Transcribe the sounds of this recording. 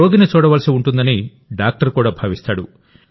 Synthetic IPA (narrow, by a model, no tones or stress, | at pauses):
o̞ːɡinit͡ʃuːɽɐʋaːlɐsiuɳʈund̪ɐni | ɖaːk̚ʈɐɾkuːɽaːbʱaːʋist̪aːɽṵ